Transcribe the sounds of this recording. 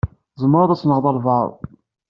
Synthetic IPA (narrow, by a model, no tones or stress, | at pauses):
zˤəmːəɾˤɑðˤæsnəʁðˤɑlˤvɑɾˤ